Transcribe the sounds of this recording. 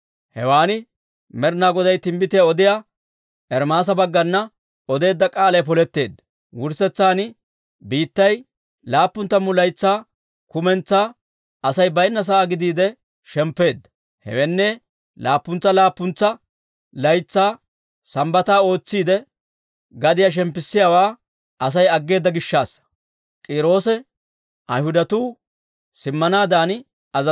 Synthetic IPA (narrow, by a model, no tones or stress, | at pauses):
hɛ̰waːnɪ | mɛɾnaːɡɔd̪ɐjt̪ɪmbɪt̪ɪjaɔd̪ɪjaː | ʔɛɾmaːs̬ɐbɐɡːɐnːɐ | ɔd̪e̞ːd̪ːɐkʼaːlɐjp̬ɔlɛt̪ːe̞ːd̪ːɐ | wʊɾsɛt͡sːaːnɪ | biːt̪ːɐj | laːpːʊnt̪ːɐmːʊlɐjt͡sːaː | kʊmɛnt͡sːaː | ɐsɐjbɐjnːɐs̬aːɡɪd̪iːd̪ɛ | ʃɛmpːe̞ːd̪ːɐ | hɛ̰wɛnːɛ | laːpːʊnt͡sːɐlaːpːʊnt͡sːɐ | lɐjt͡sːaː | sɐmbɐt̪aːo̞ːt͡sːiːd̪ɛ | ɡɐd̪ɪjaʃ̬ɛmpːɪsːɪjaːwaː | ʔɐs̬ɐjɐɡːe̞ːd̪ːɐɡɪʃːaːs | kʼiːɾo̞ːsɛ | ʔɐ̰jhʊd̪ɐt̪uː | sɪmːɐnaːd̪aːn | ɐzɐ